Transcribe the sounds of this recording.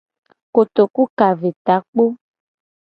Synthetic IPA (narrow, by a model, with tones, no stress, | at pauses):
ko˨t̪o˨ku˦ka˨ve˨t̪a˨˦k͡po˦